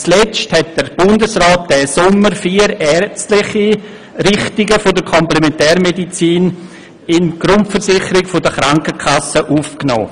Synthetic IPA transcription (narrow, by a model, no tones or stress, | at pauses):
t͡slɛt͡sthɛt̚d̥əɾb̥ʊndəsrɔːt̚d̥ɛːsʊmːəɾfiːəɾɛɾt͡stlɪχi | ɾɪχtɪɡəfʊdəkʰɔmplemɛntɛːɾmedit͡siːn | ɪnɡ̥ɾʊntfəɾsɪχəɾɪɡfʊdəχɾaŋkəkʰasəʔufknɔ̰ː